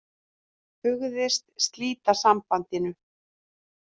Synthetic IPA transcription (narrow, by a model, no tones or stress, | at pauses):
hʏɣðɪst̪st̪liːt̪asampant̪ɪnʏ